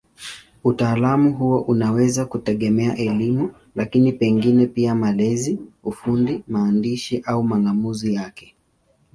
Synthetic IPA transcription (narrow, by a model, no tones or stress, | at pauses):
utaːlamuɦuwaʔunawɛzakutɛɠɛmɛaʔɛlimu | lakinipɛŋɡinɛpiamalɛziufundimaːndiʃiʔaumaŋɡamuzijakɛ̥